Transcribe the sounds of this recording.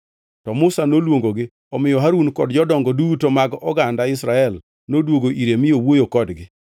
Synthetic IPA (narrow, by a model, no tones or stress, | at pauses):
tɔmʊsanolwoŋɡoɡɪ | ɔmɪjɔɦaɾunkɔdd͡ʒɔdɔŋɡɔdutomaɡɔɡandaɪsɾaɛl | nodwoɡoʔiɾemɪjowojokɔdɡɪ